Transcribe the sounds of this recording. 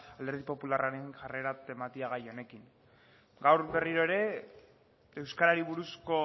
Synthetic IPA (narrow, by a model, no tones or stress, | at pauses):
ald̪eɾð̞ipo̞pularaɾeŋʝare̞ɾat̪e̞mat̪iaɣajo̞ne̞kiŋ | ɡawɾβe̞riɾo̞eɾe̞ | ewskaɾaɾiβuɾusko̞